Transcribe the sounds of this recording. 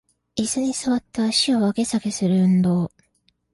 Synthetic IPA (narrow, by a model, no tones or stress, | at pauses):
isɨɲ̟isɨβat̪ːaːɕio̞βake̞sake̞sɨɾɯ̟ɯ̟̃nd̪o̞ː